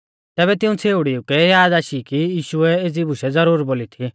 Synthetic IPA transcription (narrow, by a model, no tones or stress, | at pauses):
t̪ɛːβɛt̪ɪ̃ũt͡sʰeːuɽiukɛjaːd̪aːʃikijiːʃʊɛed͡zibʱʊʃɛd͡zɐɾuːɾboːlit̪ʰi